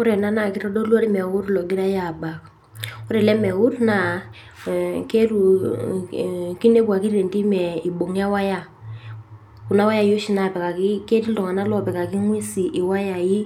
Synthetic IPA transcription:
ʊ˦ɾɛ˨na˦na˨ki˦ɾɔ˦dɔ˦lwɔ˦ɾi˦mɛ˨wʊ˦ɾlɔ˨ɡi˦ɾa˦ja˨ba˨k | u˦ɾɛ˨lɛ˦mɛ˨wu˦rna˨ | ke˦ɾu˨ | ki˦ne˦ba˨ki˦ɾe˨nti˦mɛ˨i˨bo˨ŋ˦a˦wa˦ja˦ | ku˨na˦wa˦ja˦˨jo˦ʃi˨na˨pɛ˨ka˨ki˦ke˦ti˦ldɔ˨ŋa˨na˦lɔ˦˨pɛ˨ka˨ki˦ŋwi˦si˨ʔi˨wa˦ja˨ji˦

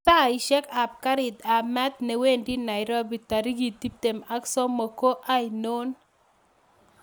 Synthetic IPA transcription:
sa˦˨ɪ˨ʃɛ˦ka˨p̚ka˦ɾɪ˨d̪a˨mɛ˦t̪nɛ˨we˦ndi˦na˨ɪ˨ɾɔ˦bi˨t̪a˨ɾi˦ɡi˨t̪i˦p̚t̪e˨ma˦ksɔ˦mo˨ko˦ʔa˦i˨no˦n

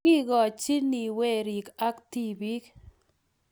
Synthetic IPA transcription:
i˦ɡɔ˨t͡ʃi˦ni˨we˦˨ɾi˨ka˦kti˦bi˦k

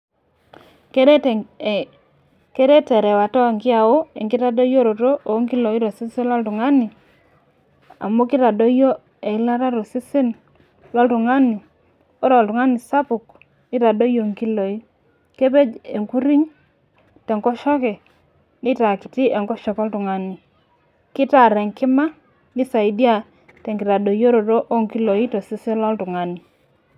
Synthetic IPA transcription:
ke˦ | ke˦ɾe˦tɛ˨ɾɛ˨wa˨tɔ˦a˨ŋɡɪ˦a˨o˦e˨ŋɡi˦ɾa˦do˦jo˦ɾo˨ɾo˦ʔo˨˦ŋki˦lo˨i˦ɾo˨si˦si˦la˦ltu˨ŋa˦ni˨ | a̰˨mo˦ki˦ɾa˨do˦jo˦ | e˨i˦la˦ɾa˦ɾo˨si˦si˦n | la˦ltu˨ŋa˦ni˨ | o˦ɾɔ˨ltu˨ŋa˦ni˨sa˦pu˨k | ni˦ɾa˨do˦jo˨ŋki˦lo˨i˦ | ke˦pe˦d͡ʒe˨ŋku˦ɾi˦ŋ | tɛ˨ŋkɔ˦ʃɔ˦kɛ˨ | ni˦ta˨kɪ˨ti˦ʔe˨ŋkɔ˦ʃɔ˨kɔ˦ltu˨ŋa˦ni˨ | kɪ˦ta˨ɾɛ˨ŋkɪ˦ma˦ | ni˦sa˨i˦di˦a˦˨ | tɛ˨ŋɡɪ˨ɾa˨do˨jo˦ɾo˨ɾo˦ʔo˦ŋki˦lo˨i˦to˨sɪ˦sɪ˦lɔ˦ltʊ˨ŋa˦ni˨

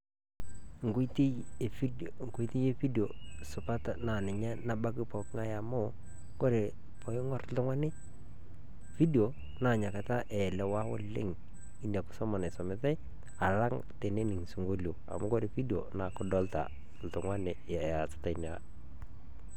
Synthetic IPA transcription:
ŋ˨ɡo˦ti˦˨fi˦ŋko˦i˦ti˦je˦fi˦do˨sʊ˨pa˦tna˨nɪ˨ɲɛ˦na˦ba˦kɪ˦pɔ˨kŋa˦ja˨mʊ˦ | ko˦ɾe˨ | pɔ˨ɪ˦ŋɔ˦ɾltʊ˦ŋwa˦nɪ˦ | fi˦do˨ | na˨ɲa˨ka˨ta˦ʔɛ˨lɛ˨wa˦wɔ˦lɪ̰˦ŋ | i˦nda˨kʊ̥˦sɔ˦mɔ˨na˨sɔ˨mɪ˨˦ta˦j | a˨la˦ŋ | te˨ne˦nɪ˨ŋsu˨ŋɡo˦ljo˨a̰˨mʊ˦ko˦ɾe˨fi˦do˨na˨kʊ˦dɔ˦lta̰˨ | l̩˨tʊ˨ŋwa˦nɪ˨ja˨sɪ̥˦ta˦˨i˦na̰˨

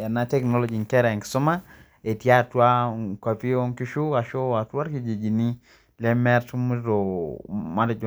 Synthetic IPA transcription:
a˨na˦tɛ˦knɔ˦lɔ˦˨d͡ʒi˨ŋkɛ˦ɾɛ˨ŋksʊ˦ma˦ | e˨tja˦˨twa˦ka˨pi˦o˦ŋki˦ʃu˦a˨ʃo˦a˨twa˦ɾki˨d͡ʒi˨d͡ʒi˨ni˦ | lɛ˦mɛ˦ɾtu˦m˦ɾo˨ma˦dd͡ʒ

